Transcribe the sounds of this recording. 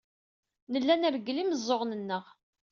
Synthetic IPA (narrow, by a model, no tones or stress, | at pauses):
nəlːænəɾɡliməzˤːoʁnənːəʁ